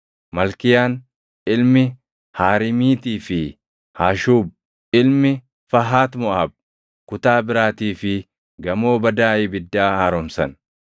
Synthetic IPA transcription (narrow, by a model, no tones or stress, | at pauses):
mɐlkɪjaːn | ɪlmɪ | haːɾɪmiːt̪iːfɪ | haːʃuːb̚ | ɪlmɪ | fɐɦaːt̪mɔʔɐb̚ | kʊt̪aːbɪɾaːt̪iːfɪ | ɡɐmo̞ːbɐd̪aːʔɪbɪd̪ːaːhɐɾɔmsɐ̰n